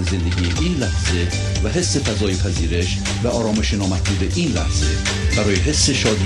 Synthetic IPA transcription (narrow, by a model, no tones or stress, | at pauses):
ze̞nd̪eɡʲijeʔiːnlæhz̥e̞ | væɦe̞sːe̞fæzɒːjepʰæziːɾe̞ʃ | væʔɒːɾɒːme̞ʃenɒːmæt̪̚buːd̪eʔiːnlæhz̥e̞ | b̥æɾɒːjeɦe̞sːe̞ʃɒːd̪